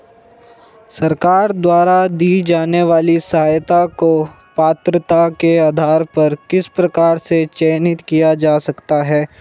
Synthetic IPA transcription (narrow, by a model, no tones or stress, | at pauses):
sɐɾkaːɾd̪waːɾad̪iːd͡ʒaːneʋaːlisɐɦaːjt̪ako | paːt̪ɾət̪akeaːd̪ʱaːɾpɐɾkɪspɾɐkaːɾset͡ʃɛːnɪt̪kijad͡ʒaːsɐkt̪aɦɛː